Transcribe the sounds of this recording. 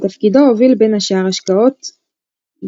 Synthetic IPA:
t̪afkid̪oovilbenhaʃaʁaʃkao̞t̪

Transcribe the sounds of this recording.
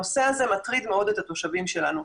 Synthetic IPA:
ose̞aze̞mat̪ʁid̪meo̞d̪et̪at̪o̞ʃavimʃe̞lanu

